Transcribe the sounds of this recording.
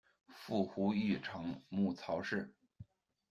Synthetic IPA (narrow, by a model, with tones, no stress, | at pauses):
fu˥˩xu˧˥y˥˩ʈ͡ʂʰɤ˧˥ŋmu˥˩t͡sʰɑ˧˥ʊʂɻ̩˥˩